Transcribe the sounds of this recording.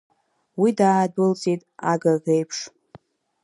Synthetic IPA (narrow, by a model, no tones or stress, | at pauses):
widaːdʊlt͡sʼitʼaɡaɡejpʰʂ